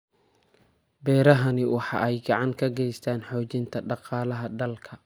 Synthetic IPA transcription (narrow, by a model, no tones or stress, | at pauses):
bɛːɾɐɦɐnɪwɑħɑ̰ʔɛjɡɑʕɑŋkʰɐɡɛjst̪ʰaːnħɔːt͡ʃɪnt̪ʰɐɖɑqɑːlɐɦɐd̪ɐlkʰɐ